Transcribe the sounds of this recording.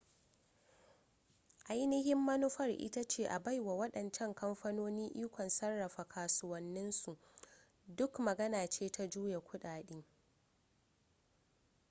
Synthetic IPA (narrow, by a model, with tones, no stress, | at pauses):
ʔa˦jnɪ˦hɪ˦mːɐ˦nʊ˦ɸɐ˦rʔɪ̰˦ta˦t͡ʃeː˦ʔa˨ba˦jwa˨wɐ˦ɗɐ˨nt͡ʃɛ˦ŋkɐ˦mɸɐ˦noː˦niː˦ʔiː˦kʷɔ˨nsɐ˦rːɐ˨ɸa˨kʰaː˨sʊ˦wɐ˨nːɪ˦nsu˨ʔ | dʊ˦kmɐ˨ɡɐ˦naː˨t͡ʃeː˦tʰa˦d͡ʒuː˦je˨kʷʊ˦ɗaː˨ɗiː˦